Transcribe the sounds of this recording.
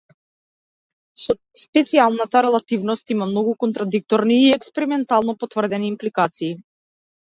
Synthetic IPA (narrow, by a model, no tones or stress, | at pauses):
spɛt̪sialˠnat̪aɾɛlˠat̪ivnɔst̪imamnɔɡukɔnt̪ɾad̪ik̚t̪ɔɾniːɛkspɛɾimɛnt̪alˠnɔpɔt̪vr̩d̪ɛniːmplikat̪siː